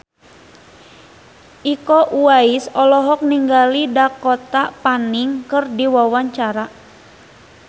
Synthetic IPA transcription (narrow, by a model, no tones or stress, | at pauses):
ʔikɔʔuaisɔlɔɦɔk̚niŋɡalidakɔt̪apaniŋkɨrdiwawaɲt͡ʃaɾa